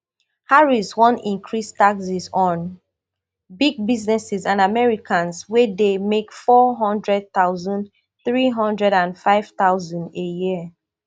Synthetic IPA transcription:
haɹiswɔ̃nḭ̃ŋkʰɹistaksisɔ̃n | biɡ̚biznɛsizãnamɛɹikʰãnswedemekfɔɦɔ̃ndɹɛd̚t̪aʊzɔ̃n | θɹiɦɔ̃ndɹɛɾãnfaɪv̥taʊzɔ̃ndejiə

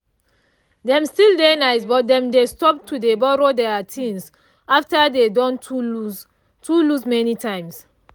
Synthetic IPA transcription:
dɛ̃mstildenaɪsbɔt̚dɛ̃mdestɔp̚tʰudebɔɹodɛatʰĩns | aftadedɔ̃ntuu | tulusmɛnitãɪ̃ms

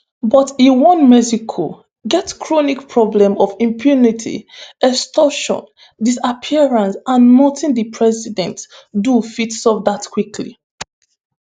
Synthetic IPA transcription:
bɔtiwɔ̃nmɛzikʰɔ̰ | ɡɛtkʰɹonikpɹɔblɛ̃mɔvĩmpʰjunitʰḭɛkstɔʃɔ̰̃n | disapʰiɛɹãnsãnmɔtʰĩndipʰɹɛsidɛ̃ntdufitsɔvdatkwikʰlḭ

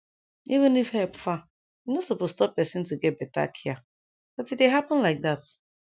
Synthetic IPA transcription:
ivɪ̃nifhɛlpfa | inosopozstɔp̚pːɛsɪ̃ntuɡɛt̚bɛta̰kʰia | d̥atit̚deɦapə̃nlaɪk̚ðat

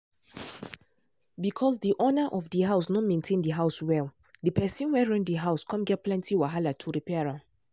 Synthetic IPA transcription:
bikʰɔsdiʔɔnaʔɔfdiɦaʊs̬nɔ̃mẽntʰẽndiɦaʊswɛl | dipʰɛsĩnwɛɹãnddiɦaʊskʰɔ̃mɡɛt̚pʰlɛ̃ntʰiwaɦalatʰuɾipʰɛɹãn

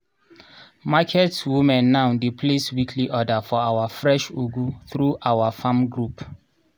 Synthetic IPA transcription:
makʰɛtwumɛ̃nːaʊdepʰleswikʰliʔɔdafɔawafɹɛʃuɡuθɹuʔawafãmɡɹup

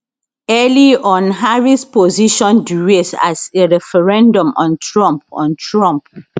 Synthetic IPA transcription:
ɛliʔɔ̃nɦaɹispɔziʃɔ̃nduɹesa̰seɹɛfɛɹɛ̃ndɔ̃mɔ̃ntʰɹɔ̃mp̚ɔ̰̃ntʰɹɔ̃mp

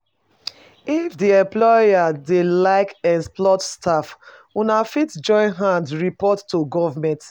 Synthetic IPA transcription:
ifdiɛ̃mplɔadelaɪkɛsplɔtstaf | unafitd͡ʒɔ̃ɪ̃nɦãndɹipɔtːuɡɔvamɛ̃nt

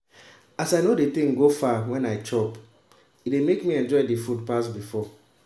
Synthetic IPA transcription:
asaɪnodetĩŋɡofawɛ̃naɪt͡ʃɔp | itdemekmiɛ̃nd͡ʒɔɪdifud̚pasbifɔ

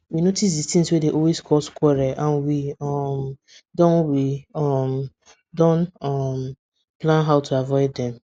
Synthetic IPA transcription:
winotis̬ditĩŋswedeʔɔlweskʰɔskʷwɛɾɛʔãnwiɔm | dɔ̃nwiɔm | dɔ̃nɔm | plãnɦaʊtʰuavɔɪdɛ̃m

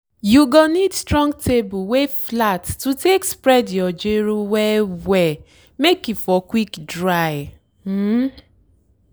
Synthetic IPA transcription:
juɡonidstɾɔ̃ŋɡ̚tʰebuweflatːutekspɾɛdjɔd͡ʒeɾuwɛwɛ | mekifɔkwikdɹaj̩

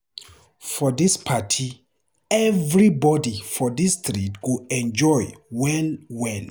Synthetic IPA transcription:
fɔðispʰatʰi | ɛvɹibɔdifɔðistʰɹitɡuɛ̃nd͡ʒɔjwɛnwɛ̃n

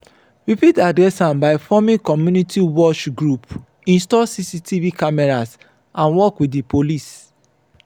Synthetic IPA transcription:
ɹipitadɹɛsãmbaɪfɔmĩkɔmjunitiwɔt͡ʃɡɹup | ĩnstɔsisitʰivikamɛɹas | ʔãnwɔkwidipʰolis

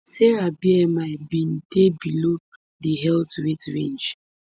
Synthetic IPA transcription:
sɛɹabiɛmaɪbĩn̩tebilo | diɦɛltɹetɹẽnd͡ʒ

